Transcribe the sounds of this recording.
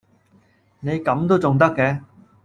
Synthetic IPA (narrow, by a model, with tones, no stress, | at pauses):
ne˨˧jkɐ˨˧˥mt̪o˥wt͡sʊ˨ŋt̪ɐ˥kːɛ˧